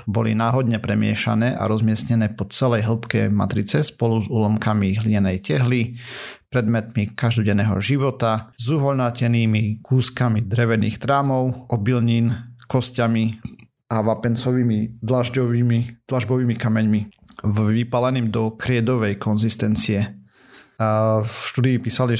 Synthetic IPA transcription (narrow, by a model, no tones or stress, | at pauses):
bɔlḭnaːɦɔd̪ɲɛpɾɛmɪɛ̰ʃa̰nɛːʔa̰ɾɔzmɪɛsɲɛnɛːpɔt͡sɛlɛjɦl̩pkɛ̰ma̰t̪ɾit͡sɛspɔluzuːlɔmkamiɦliɲɛnɛjcɛɦlipɾɛd̪mɛt̪mikaʒd̪ɔɟɛnːɛːɦɔ̰ʒiʋɔt̪azuɦɔʎnacɛniːmikuːskamid̪ɾɛʋɛnḭːxt̪ɾaːmɔʊɔbilɲiːnkɔscami | aʋapɛnt͡sɔʋiːmid̪laʒɟɔʋiːmid̪̥laʒbɔʋiːmikamɛɲmiʋipalɛniːmd̪ɔkɾɪɛd̪ɔʋɛjkʰɔnzist̪ɛnt͡siɛ | ʃt̪uːd̪iːpiːsali